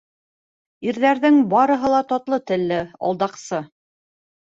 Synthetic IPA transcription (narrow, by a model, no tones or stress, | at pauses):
iɾðæɾðɘŋbɑɾɤ̆ɦɤ̆lˠɑt̪ɑt̪lˠɤt̪ɘ̆lːɘɑ̰lˠd̪ɑqsɤ